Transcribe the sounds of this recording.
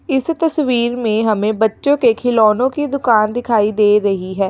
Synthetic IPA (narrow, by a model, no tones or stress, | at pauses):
ɪst̪əsʋiːɾmẽːɦəmẽːbətːʃõːkekʰɪlɔːnõːkid̪ʊkaːnd̪ɪkʰaːid̪eːɾəɦiɦɛː